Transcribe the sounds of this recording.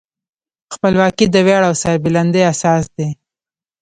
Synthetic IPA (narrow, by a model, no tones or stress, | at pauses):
xpəlwɑkid̪əweɽawsɑbɪland̪əjasɑsd̪e